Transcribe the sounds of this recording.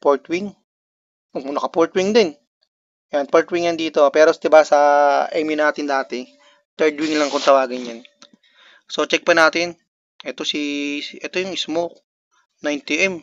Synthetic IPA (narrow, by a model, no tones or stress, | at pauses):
poɹt̪wiŋ | ʔɐmʊnɐkɐpoɹt̪wɪŋd̪ɪn | janpoɹt̪wiŋjɐnd̪iːt̪o̞pɛːɾosd̪ɪbasɐʔɛmjʊnaːt̪ɪnd̪aːt̪ɛ | t̪ɛɹd̪wɪŋlɐŋkont̪ɐwaːɡɪnjan | sot͡ʃɛk̚pɐnaːt̪ɪn | ʔɛt̪osiʔɛt̪ojʊŋɪsmok̚ | najnt̪iʔɛm